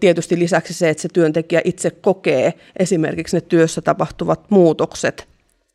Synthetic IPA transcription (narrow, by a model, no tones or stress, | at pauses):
t̪iet̪yst̪ilisæksiseet̪set̪yønt̪ekiæʔit̪sekkokeː | ʔesimḛrkiksnet̪yøsːæt̪ɑpɑht̪uʋɑt̪muːt̪okset̪